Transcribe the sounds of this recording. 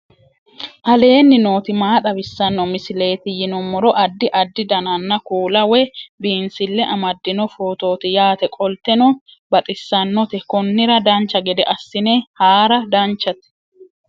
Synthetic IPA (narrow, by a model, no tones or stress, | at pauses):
ʔɐle̞ːnːɪno̞ːt̪ɪmaːt̪ʼɐbɪsːɐnːɔmɪsɪle̞ːt̪ɪjɪnɔmɔɾɔʔɐd̪ːɪʔɐd̪ːɪd̪ɐnɐnːɐkuːlɐwɛbiːnsɪlːɛʔɐmɐd̪ːɪnɔfoːt̪o̞ːt̪ɪjaːt̪ɛkʼɔlt̪ɛnɔ | bɐt̪ʼɪsːɐnːɔt̪ɛkɔnːɪɾɐd̪ɐnt͡ʃːɐɡɛd̪ɛʔɐsːɪneːhaːɾɐd̪ɐnt͡ʃːɐt̪ɪ̥